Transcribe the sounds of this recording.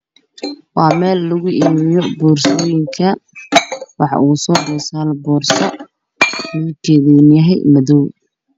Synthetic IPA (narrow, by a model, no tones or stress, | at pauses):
wɑːmɛːlːʊɣʊʔiːmɪjɔbuːrsɔːjɪŋkʰɐ | wɑħɑ̰ʔuːsɔːd̪ɔːsaːlbɔːrsɐ | uːkʰɛːðɛnjɐɦɛjmɐðɔw